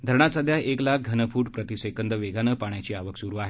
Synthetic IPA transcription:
d̪ʱəɾɳasad̪ʱjaeklak̚ɡʱənəpuːʈpɾət̪isekənd̪əʋeɡʱanəpaɳjat͡ɕiːaʋəksuɾuaɦe

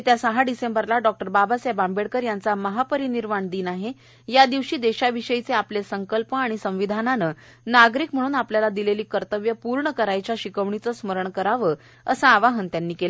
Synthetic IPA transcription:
t̪jasəɦaɖisembəɾlaɖɔk̚ʈəɾbabasjabambeɽkəɾjant͡saməɦapəɾiniɾmaɳd̪iːnaɦe | jad̪iʋɕiːd̪eɕaʋiɕəjit͡seaplesəŋkəlpəaɽ̃isə̃ʋ̃ʋid̪ʱananə | naɡɾiːkm̤əɽ̃uːnapljalad̪ileliːkəɾt̪əʋjəpuɾɳəkəɾajt͡ɕjaɕikəʋɳit͡səsməɾəɳkəɾaʋə | əsaaʋaɦənt̪janːiːkel

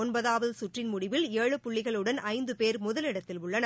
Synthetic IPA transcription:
ɔnbɐðaːʋɐðɯsʊʈrɪnmʊɽɪʋɪleːɻɯpʊɭːɪɣɐɭɯɽɐnʔɐɪnd̪ɯpeːɾmʊðɐlɪɽɐt̪ːɪlʊɭːɐnɐ

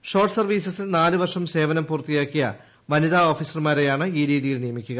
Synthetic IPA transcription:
ʂo̞ːrʈsɐrʋiːsɐsilnaːlɨʋɐrʂɐmse̞ːʋɐnɐmpuːrt̪ijaːkːijɐ̰ | ʋɐniðao̞ːfiːsɐrmaːɾejaːɳɨiːɾiːðijilnijɐmikʲːuɣɐ

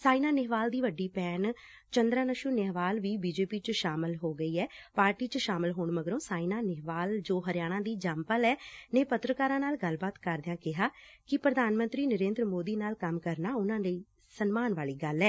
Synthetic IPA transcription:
saːinaːnɪɦʋaːld̪iːʋəɖːiːpɛːn | t͡ʃənd̪ɾaːnəʃuːnɪɦʋaːlʋiːbiːd͡ʒeːpiːt͡ʃəʃaːmɪlɦoːɡəiːɛːpaːɾʈiːt͡ʃəʃaːmɪlɦoːɳməɡɾõːsaːinaːnɪɦʋaːld͡ʒoːɦəɾɪjaːɽ̃ãːd̪iːd͡ʒampəlɛːnẽːpət̪ɾəkaːɾãːnaːlɡəlbaːt̪kəɾd̪ejãːkɪɦaːkɪpɾəd̪aːnmə̃nt̪ɾiːnəɾẽːnd̪ɾəmoːd̪iːnaːlkəmkəɾnaːʊnãːləiː | sənmaːnʋaːliːɡəlːɛː

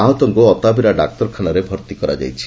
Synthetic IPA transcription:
aɦɔt̪ɔŋkuɔt̪abʱiɾaɖa̰k̚t̪ɔɾkʰanaɾebʱɔɾt̪ikɔɾa̰d͡ʒa̰jt͡ʃʰi̥

